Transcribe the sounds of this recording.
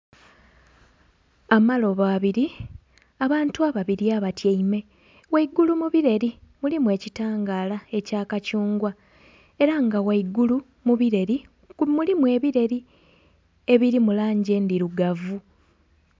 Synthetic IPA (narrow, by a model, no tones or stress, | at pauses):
amalo̞βaːβiɾi | aβaːntuaβaβiɾiaβatjeime̞ | waiɡulumuβiɾe̞ɾimulimwe̞ːcitaːŋɡaːlae̞caːkacuːŋɡwa | e̞ɾaŋɡawaiɡulu | muβiɾe̞ɾi | mulimwe̞ːβiɾe̞ɾi | e̞βiɾimulaːɲɟe̞ndiɾuɡavu